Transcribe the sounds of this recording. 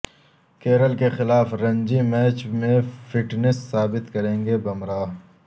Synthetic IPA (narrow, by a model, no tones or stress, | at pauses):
keːɾəlkexɪlaːfɾɐ̃ɲd͡ʒimɛːt͡ʃmẽfɪʈnɪsːaːbɪt̪kɐɾẽːŋɡebɐmɾaː